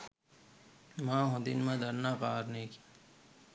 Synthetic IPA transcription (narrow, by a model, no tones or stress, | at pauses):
mãːɦõd̪ḭnmãːd̪əɾnaːpaːɾneːkʰi̥